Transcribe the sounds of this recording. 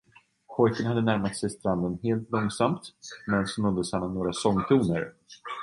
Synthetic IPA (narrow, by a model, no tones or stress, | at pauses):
pʰɔjkənɦad̪ːənæɾmat̪sɛjst̪ɾand̪ənheːlt̪lɔŋsamt̪mɛnsɔnɔd̪ːəshanːɔmnoːɡɾasɔŋːt̪ʰuːnəɾ